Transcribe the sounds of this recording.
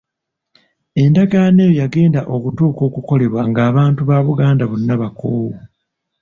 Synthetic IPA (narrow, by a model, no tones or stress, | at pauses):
e̞ndaɡanejojaɡe̞ːndaʔo̞kutuːko̞ːkuko̞le̞βwaŋɡaːβaːntuβaːβuɡaːndaβunːaβakoːwu